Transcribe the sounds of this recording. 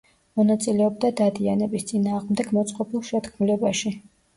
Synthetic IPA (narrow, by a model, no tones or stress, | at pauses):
mɔnat̪sʼilɛɔb̚d̪ad̪ad̪ianɛbist̪sʼinaːʁmd̪ɛɡmɔt̪sʼqʼɔpʰilˠʃɛt̪kʰmulɛbaʃi